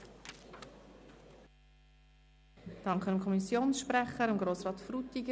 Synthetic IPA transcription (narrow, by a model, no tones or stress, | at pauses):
d̥ɑŋkχənəmkʰɔmisjoːnsʃpɾɛχəɾɪmɡɾoːsrɑːtfrut̪ːiɡə